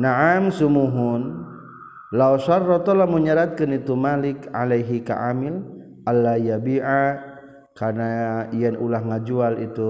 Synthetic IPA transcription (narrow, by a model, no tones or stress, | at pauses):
naʕamsumuɦun | lawsarːɔt̪ɔlamuɲaɾat̪̚kanit̪umalɪka̰lajɦika̰ʔamɪl | ʔalːajabiʕa | karnaijɛnulahŋad͡ʒualit̪u